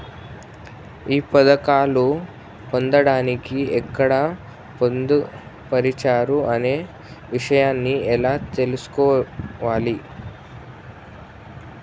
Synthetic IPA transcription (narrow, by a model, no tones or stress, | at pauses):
iːpɐd̪ɐkaːlu | pond̪ɐɽaːnikiɛkːɐɽɐ | pond̪u | pɐɾit͡ʃaːɾuʔɐne̞ː | ʋiʂɐjaːnːiɛlaːt̪elusu̥kɔːʋaːli